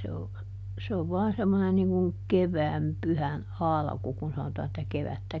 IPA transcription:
se o se oʋ ʋɔɑn semːonen niŋ kuŋ keʋæːm pyhæn ɑlɑ̆ku kun sɑnotɑː etːæ keʋætːæ

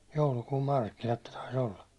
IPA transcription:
joulukuːm mɑrkːinɑt ne tɑis olːɑ

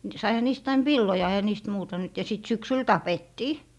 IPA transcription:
sɑihɑ niːst ɑin ʋilːojɑ eĭhæ niːst muːtɑ nyt jɑ sit syksyl tɑpetːiː

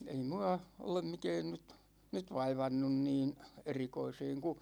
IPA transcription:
ei muɑ olem mikɛːn nyt nyt ʋɑiʋɑnːun niːn erikoiseːŋ ku

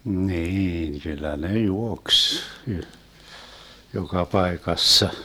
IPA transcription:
niːn kylːæ ne juoks y jokɑ pɑekɑsːɑ

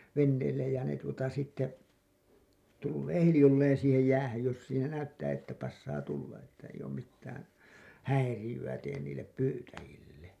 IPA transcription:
ʋenːeːlːej jæ ne tuotɑ sitːe tulːeː hilĭjolːeːn siːhej jæːhæj jos siːnæ næytːæː etːæ pɑsːɑː tulːɑ etːæ eij oːm mitːæːn hæirijyæ teːn niːlːep pyːtæjilːe

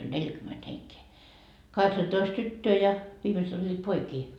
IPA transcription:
olʲ nelʲkyment heŋkeː kɑheksɑtoist tytːøː jɑ ʋiːmeset olʲːiːt poikiː

